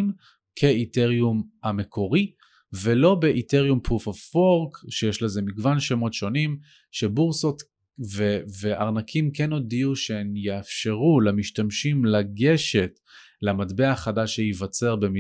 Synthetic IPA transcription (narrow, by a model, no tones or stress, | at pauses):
m | kʰeiteʁjumamekʰo̞ʁi | velo̞beʔite̞ʁjumpufafoʁkʃejeʃleze̞miɡvanʃemo̞tʃo̞nim | ʃebuʁso̞t̪ | veveʔa̰ʁnakʰimkeno̞diuʃeemjeafʃe̞ʁulemiʃtamʃimlaɡe̞ʃe̞t | leamadbe̞aχadaʃejivat͡seʁbemi